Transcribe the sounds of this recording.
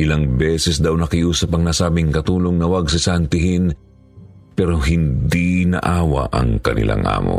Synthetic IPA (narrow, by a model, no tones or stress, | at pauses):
ʔɪlaŋbɛːsɛsd̪ɐwnɐkɪʔuːsɐpɐŋnasaːbɪŋkɐt̪uːloŋnɐwɐɡ̚sɪsɐnt̪ɪɦɪn | pɛːɾoɦɪnd̪inɐ̰ʔaːwɐ̰ʔɐ̰ŋkɐnɪ̰lʔa̰ŋʔa̰ːmo̰